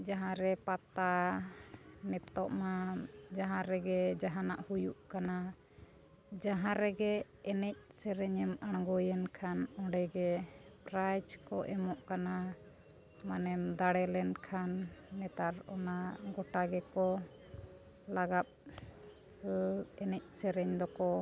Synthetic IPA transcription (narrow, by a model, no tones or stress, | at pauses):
d͡ʒaɦãɾɛpat̪a | nɛt̪ɔʔmad͡ʒaɦãɾɛɡɛd͡ʒaɦanaʔhujuʔkana | d͡ʒaɦãɾɛɡɛ | ɛnɛc̚sɛɾɛɲɛmaɽ̃ɡɔjɛnkʰanɔ̃ɽɛɡɛpɾajd͡ʒkɔʔɛmɔʔkana | manɛmd̪aɽɛlɛnkʰanːɛt̪aɾɔnaɡɔʈaɡɛkɔ | laɡap̚ | ɛnɛc̚ˀsɛɾɛɲd̪ɔkɔ